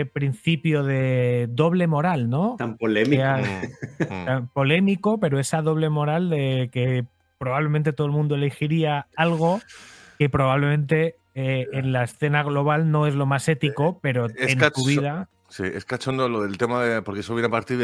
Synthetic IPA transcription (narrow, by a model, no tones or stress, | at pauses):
epɾin̟θipjo̞ðe̞d̪o̞β̞le̞mo̞ɾalno̞t̪ampolema | t̪ampo̞le̞miko̞pe̞ɾo̞e̞saðo̞β̞le̞mo̞ɾald̪eke | pɾoβaβlemẽnt̪̬et̪oelmũnd̪oelexiɾiaalɣ̞o̞ke̞pɾo̞β̞aβle̞mẽ̞nt̪e̞ː | nlaesθe̞naɣlo̞β̞alno̞e̞zlo̞mase̞t̪iko̞pe̞ɾo̞eent̪uβiða | sḭḛskat͡ʃond̪oloðe̞lt̪e̞maðepoɾkeesoβjenepaɾt̪i